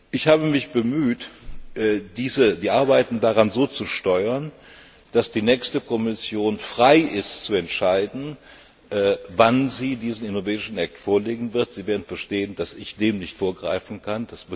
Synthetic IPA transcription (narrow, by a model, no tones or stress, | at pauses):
ʔɪçhaːbəmɪçb̥əmyːtʔɛd̥iːzədiːʔaɐbaɪtn̩daʁanzoːt͡suʃtɔʏɐn | d̥asd̥iːnɛːçstəkʰɔmɪsjoːnfʁ̥aɪʔɪstt͡suɛntʃaɪdn̩ | ʔɛːvanziːdiːzn̩ɪnovɛːdɪʃn̩ʔak̚tfoːɐleːɡŋ̩vɪɐtz̥iːveːɐdn̩fɛɐʃteːənd̥asɪçd̥eːmnɪçtfoːɐɡʁa̰ɪfn̩kʰandasb